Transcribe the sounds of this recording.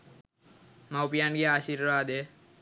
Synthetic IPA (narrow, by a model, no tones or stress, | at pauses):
mawpijanɡiaːʃiɾʋaːd̪e